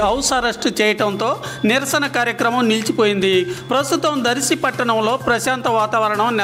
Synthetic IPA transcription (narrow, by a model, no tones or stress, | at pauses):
ɐwsɐɾɐʂʈut͡ʃɛːjɐʈɐnt̪o̞ː | nɪɾɐsɐnɐkaːɾjɐkɾɐmɐmnilt͡ʃipoːjind̪ipɾɐst̪ut̪ɐmd̪ɐɾisipɐʈːɐɳɐmlo̞ːpɾɐʃaːnt̪ɐʋaːt̪aːʋɐɾɐɳɐmn